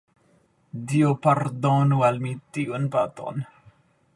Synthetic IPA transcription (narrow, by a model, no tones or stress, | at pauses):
d̪iopard̪ɔnualmit̪iunpat̪ɔ̰n